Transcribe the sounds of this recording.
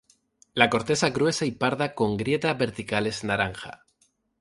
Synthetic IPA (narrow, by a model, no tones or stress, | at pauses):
lako̞ɾt̪e̞saɣɾwe̞saipaɾðako̞ŋɡɾje̞t̪aβe̞ɾt̪ikale̞znaɾaŋxa̰